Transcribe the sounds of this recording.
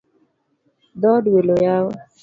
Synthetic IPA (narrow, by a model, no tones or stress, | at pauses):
d̪ɔːɖwelojaːw